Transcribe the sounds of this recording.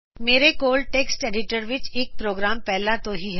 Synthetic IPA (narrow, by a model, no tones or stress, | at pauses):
meːɾekoːl̚ʈeːksʈeːɖɪʈəɾʋɪt͡ʃeːk̚pɾoːɡɾaːmpɛɦlat̪oɦiɦɛ